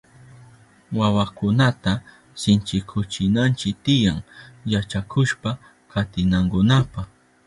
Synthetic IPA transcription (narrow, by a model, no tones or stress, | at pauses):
wawakʊnat̪a | sɪnt͡ʃɪkʰʊt͡ʃɪnant͡ʃɪk̚t̪ɪjaŋjat͡ʃakʰʊʃpa | kʰat̪ɪnaŋkʊnapaχ